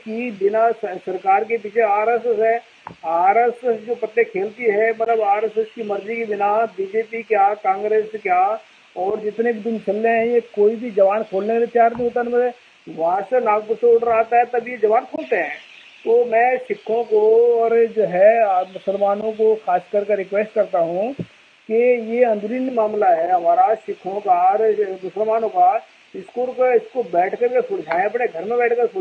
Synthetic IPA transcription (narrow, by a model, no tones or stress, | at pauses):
kibɪnasɐɾkaːɾkep̬iːt͡ʃʰeaːɾəsəsɦɛ | aːɾəsəsd͡ʒoːpɐʈːekʰeːlt̪iɦɛmɐt̪ləbaːɾəsəskimɐɾd͡ʒikibɪnabiːd͡ʒeːpikjaːkãːŋɡɾeːskjaː | ɔːɾd͡ʒɪt̪nebid̪ʊnt͡ʃʰɐlːeɦɛ̃jekoːibʱid͡ʒɐʋaːnkʰoːlnekalɪt̪ːjaːɾnə̃ĩoːt̪̬aɛnmɐ | ʋɐɦãsenaːɡbʊseʊʈɾaaːt̪aɦɛt̪ɐbjed͡ʒɐʋaːnkʰoːlt̪eɦɛ̃ː | t̪oːmɛ̃ːʃɪkʰːõkoɔːɾd͡ʒoːɦɛamʊsəlmaːnõk̬oxaːskɐɾkeɾɪkʋeːsʈ̚kɐɾt̪aɦũ | kejeɐ̃nd̪ʱʊɾiːnmaːmlaɦɛɦɐmaːɾaʃɪkʰõkaɾmʊsəlmaːnõka | ɪskuːlkeɪskobɛːʈʰkəɾkesʊɽd͡ʒʱaːẽɐpneɡʱɐɾmẽbɛːʈʰkəɾsʊ